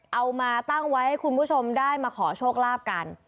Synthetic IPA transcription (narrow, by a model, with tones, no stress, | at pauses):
ʔa˧wmaː˧t̪a˥˩ŋwa˦˥jha˥˩jkʰu˧npʰuː˥˩t͡ɕʰo˧mdaː˥˩jmaː˧kʰɔː˩˦t͡ɕʰoː˥˩k̚laː˥˩p̚ka˧n